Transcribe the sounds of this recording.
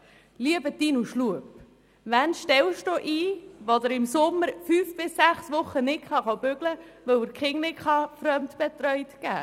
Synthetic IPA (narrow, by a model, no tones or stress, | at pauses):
liəbət̪iːnuʃluəp | ʋænʃtɛwʃtuʔiːʋod̪əɾɪmsʊmːəɾfyːfb̥ɪsːæχsʋʊχːənɪkχɑχob̥ʏɡlə | ʋœwəkχɪŋnɪkχɑfɾœmt̪b̥ɛt̪ɾœʏt̪kæ̰ː